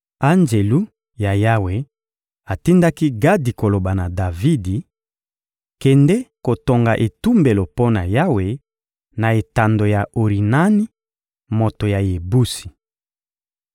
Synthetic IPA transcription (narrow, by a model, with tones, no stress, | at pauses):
a˦nd͡ʒe˨lu˦ | ja˨ja˦we˨ | a˨ti˦nda˦ki˦ɡa˦di˨ko˨lo˨ba˨na˨da˨vi˦di˨ | kɛ˨ndɛ˦ko˨to˨ŋɡa˨ʔe˨tu˦mbe˨lo˨po˦na˨ja˦we˨ | na˨e˨ta˨ndo˨ja˨ʔo˨ʁi˨na˦ni˦ | mo˨to˨ja˨je˨bu˦si̥˨